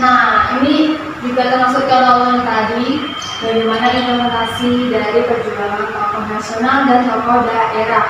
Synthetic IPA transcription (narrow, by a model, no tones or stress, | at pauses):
nahini | d͡ʒuɡat̪ərmasʊkkalaaŋt̪adi | daɾimanaʔinpləmɛnt̪asidaɾipərd͡ʒubaɦankɔkɔfasionaldantɔkɔdaaʔeɾa